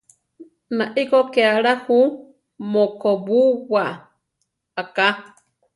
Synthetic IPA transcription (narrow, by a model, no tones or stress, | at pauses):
naʔikokeaɺahu | mokoβuwa | aka